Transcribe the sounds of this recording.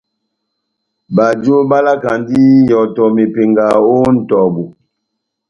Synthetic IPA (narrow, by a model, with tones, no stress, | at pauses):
ba˨d͡ʒo˦ba˦la˦ka˨ndi˦jɔ˨tɔ˨me˨pe˨ŋɡa˨o˦n̩˨tɔ˨bu˨